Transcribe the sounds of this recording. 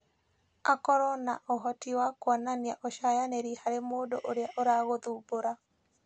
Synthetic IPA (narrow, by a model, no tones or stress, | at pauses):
akɔɾɔnaʔɔɦɔtiwakwɔnaniaʔɔʃajaneɾihaɾemoːdoʔoɾeaʔoɾaɣoðuːboɾa